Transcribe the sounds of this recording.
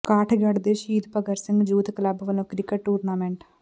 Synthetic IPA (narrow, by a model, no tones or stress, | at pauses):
kaːʈʰɡəɖd̪eːʃiːd̪pəɡəɾsɪ̃ŋɡd͡ʒuːt̪kələbʋəlõːkɾɪkəʈʈuːɾnaːmẽːɳʈ